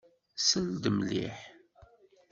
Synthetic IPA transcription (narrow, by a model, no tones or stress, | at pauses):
səld̪əmlḭħ